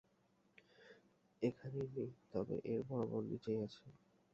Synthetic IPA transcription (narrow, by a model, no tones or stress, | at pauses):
ekʰanenejt̪ɔbḛʔeɾbɔbolːḭt͡ɕajat͡ɕʰe